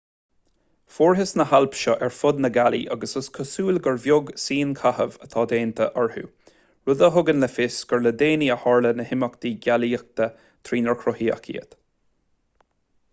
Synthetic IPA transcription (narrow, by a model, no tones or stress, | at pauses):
foːɹɦɪsnəhalpʃɔʔɛɹfʊd̪nəɡalḭʔa̰ɡəsəskʰəsuːlɡəɹvjʊɡsiːnkʰahəvət̪ʰɑːd̪eːnt̪ʰəʔɔɹhṵː | ɹʊd̪əɦʊɡənləfɪsɡ̥əɹləd̪eːniəhɔɹlənəhɪməkd̪iːɡaliək̚t̪ə | t̪ʰɾiːnəɹkʰɾɔhiːə̰kʰḭːə̰t̪